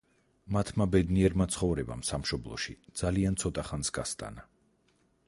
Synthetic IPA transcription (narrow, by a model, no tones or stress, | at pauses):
mat̪ʰmabɛd̪niɛɾmat̪sʰχɔvɾɛba̰msamʃɔblˠɔ̰ʃid̪z̥aliant̪sʰɔt̪ʼaχansɡast̪ʼa̰na